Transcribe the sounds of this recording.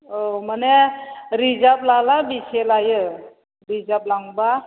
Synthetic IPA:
oməneɾid͡zaplalabiɕelaje | ɾid͡zaplaŋɡba

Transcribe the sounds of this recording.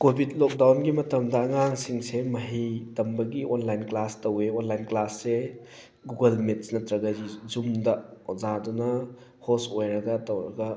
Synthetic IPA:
kobʱid̚lok̚dawnɡimɐtɐmdɐːŋaŋsiŋsemɐɦitɐmbɐɡionlajnklastɐweonlajnklasːe | ɡuɡɐlmet̚snɐtɾɐɡɐd͡ʒizumdɐzadunɐ | hosojɾɐɡɐtɐwɾɐ̰ɡɐ

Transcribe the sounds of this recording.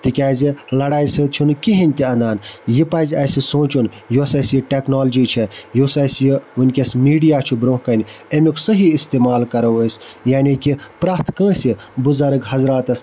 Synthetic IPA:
t̪ikʲaːzilɐɽaːjsɨt͡ʃʰunkiɦinʲt̪iɐnd̪aːnjipaːzʲɐjsisõːt͡ʃun | josɐsjiʈeknoːld͡ʒit͡ʃʰɛjoːsɐsjiʋunʲkʲɐsmiːɖijaːt͡ʃʰubɾõːkɐnʲemikʰsɐɦiist̪eːmaːlkɐɾɐwɐsʲjaːnikipɾaːt̪kə̃ːsibuzɐɾɐɡɦɐzɾaːt̪ɐs

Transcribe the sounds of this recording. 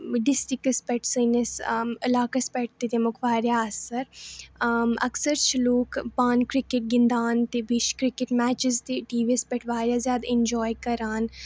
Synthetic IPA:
ɖɪsʈikɐspɛʈsənɐsəlaːkɐspɛʈ̚ʰt̪it̪emʊkʰʋaːɾjaɐsɐɾ | ɐ̰ksəɾt͡ʃʰiloːkpaːnkɾɪkeʈ̚ɡɪnd̪aːnt̪ebiʃkɾɪkeʈmæːt͡ʃɪzt̪eʈiːʋispeʈʰʋaːɾjaːzjaːd̪aɪ̃nd͡ʒɔːjkɐɾaːn

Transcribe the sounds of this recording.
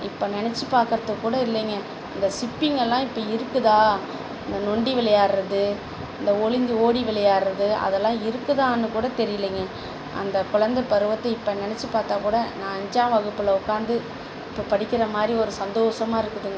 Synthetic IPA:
ɪpːonɛnɛt͡ʃːɯpaːɾkɐɾɐðɯkːuːɽɐɪlːɛŋɡɐ | ɐnd̪ɐsɪpːɪŋɡɐlːãːɪpːoːɪɾɯkːɯðãː | ɐnd̪ɐnɔɳɖiʋɪlɐjaːɾɾɐðɯ | ɐnd̪ɐɔɭɪnd̪ɯoːɽiʋɪɭɐjaːɾɾɐðɯɐ̰ðɛlːãːɪɾɯkːɯðaːnːɯkuːɽɐt̪ɛɾɪjɐleːŋɡɐ | ʔɐ̰nd̪ɐkʊɻɐnd̪ɐpːɐɾɯʋɐt̪ːɐɪpːɐnɛnɛt͡ʃːɯpaːɾt̪aːkuːɽɐnãːɐɲd͡ʒãːʋɐɣɯpːɯlɐʊkːaːɾnd̪ɯ | ɪpːoːpɐɽɪkʲːɪɾɐmaːd̪ɾiɔɾɯsɐnd̪oːsɐmaːɪɾɯkːɯðɯŋɡɐ

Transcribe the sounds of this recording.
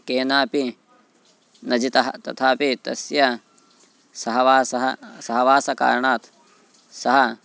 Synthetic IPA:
keːnaːpi | nɐd͡ʒit̪ɐɦɐt̪ɐ̰t̪ʰaːpit̪ɐ̰sjɐ | sɐɦɐʋaːsɐɦɐsɐɦɐʋaːsɐka̰ːɾɳaːt̪ | sɐɦɐ

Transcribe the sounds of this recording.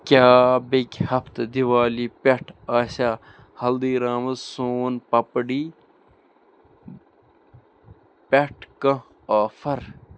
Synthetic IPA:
kʲaːbekʲhɐft̪d̪iwaːlipeʈʰaːsaː | hɐld̪iːɾaːmɐzsoːnpɐpɖiː | peʈʰkɐ̃ | aːfɐɾ

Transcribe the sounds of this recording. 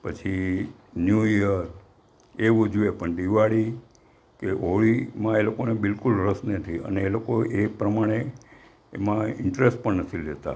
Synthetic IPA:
pət͡ʃʰi | njuiəɾ | eʋũd͡ʒuepəɳɖiʋaɽi | keʔoɭimãelokonebɪlkulɾəsnet̪ʰiə̰neelokoepɾəmaɽ̃ḛː | mãɪɳʈɾesʈ̚pəɳnət̪ʰild͡ʒet̪a̰

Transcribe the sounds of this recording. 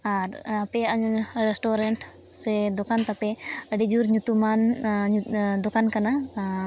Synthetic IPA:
aɾapɛaʔaɲɾɛsʈɔɾɛɳʈ | sɛd̪ɔkant̪apɛəɖid͡ʒuɾɲut̪uman | d̪ɔkankana

